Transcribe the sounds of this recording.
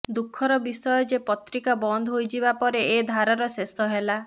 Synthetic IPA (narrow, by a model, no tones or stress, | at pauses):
d̪ukʰːɔɾɔbisɔjɔd͡ʒepɔt̪ɾikabɔnd̪ʱɔɦojd͡ʒibapɔɾeed̪ʱaɾaɾɔsest̪ɔɦela